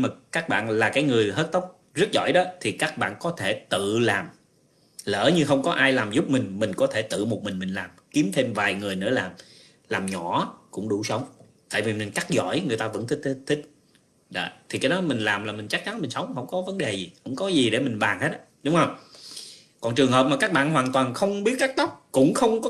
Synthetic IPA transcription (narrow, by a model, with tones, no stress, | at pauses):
maː˨˩kaː˦˥k̚ɓa̰ː˧˨nlaː˨˩kaː˨˦jŋɨ˨˩əjɦəː˦˥t̚t̪ə˦˥wk͡p̚ | zɨ˦˥t̚zɔ̰˧˩jɗɔ˨˦t̪ʰi˨˩kaː˦˥k̚ɓa̰ː˧˨nkɔ˨˦t̪ʰe˧˩t̪ɨ̰˧˨laː˨˩m | lə̰ː˧˩ɲɨ˧xə˧wŋ͡mkɔ˨˦ʔaː˧jlaː˨˩mzʊ˦˥p̚mï˨˩ŋ̟mï˨˩ŋ̟kɔ˨˦t̪ʰe˧˩t̪ɨ̰˧˨mo˨˩t̚mï˨˩ŋ̟mï˨˩ŋ̟laː˨˩mki˨˦əmt̪ʰe˧mvaː˨˩jŋɨ˨˩əjnɨ̰˧˥əlaː˨˩m | laː˨˩mɲɔ̰˧˩˥kʊ̰˧˥ŋ͡mɗṵ˧˩sə˨˦wŋ͡m | t̪a̰ː˧˨jvi˨˩mï˨˩ŋ̟t͡ɕa˦˥k̚zɔ̰˧˥˨jŋɨ˨˩əjt̪aː˧və̰˧˥nt̪ʰi˦˥k̚t̪̚ʰt̪ʰï˦˥k̟̚ | zə̰˧˨t̪ʰi˨˩kaː˨˦jɗɔ˨˦mï˨˩ŋ̟laː˨˩mlaː˨˩mï˨˩ŋ̟t͡ɕa˦˥k̚t͡ɕa˨˦nmï˨˩ŋ̟sə˨˦wŋ͡mhə˧˥wŋ͡mkɔ˨˦və˨˦nɗe˨˩zi˨˩xʊ̰˧˥wŋ͡mkɔ˨˦zi˨˩ɗe˧˩mï˨˩ŋ̟ɓaː˨˩nhe˦˥t̚ːɗʊ˨˦ŋ͡mhə˧wŋ͡m | kɔ˨˩nt͡ɕɨ˨˩əŋhɦəː˨˩p̚maː˨˩kaː˦˥k̚ɓa̰ː˧˨nɦwaː˨˩nt̪waː˨˩nxə˧wŋ͡mɓi˦˥ət̚kaː˦˥k̚t̪ɔ˦˥k͡p̚kʊ̰˧˥ŋ͡mxə˧wŋ͡mkɔ˨˦